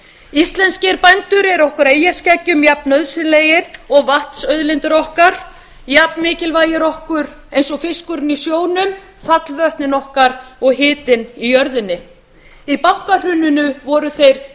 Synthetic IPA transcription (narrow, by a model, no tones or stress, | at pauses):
ist̪lɛnscɪɾpajnt̪ʏɾɛɾɔhkʏɾeːjascɛcːʏmjapnœðsʏleːjɪɾ̥ɔɣvaht̪sœɥðlɪnt̪ɪɾɔhkaɾ̥ | jap̚nmɪːcɪlvaːjɪɾɔhkʏɾ | ejnsɔɣfɪskʏɾɪnisjoːwnʏm | faklvœht̪nɪnɔhkaɾɔɣɦɪːt̪ɪnijœɾðɪnːɪ | ipawŋ̥kar̥ʏnːʏnʏvɔɾʏθejɾ̥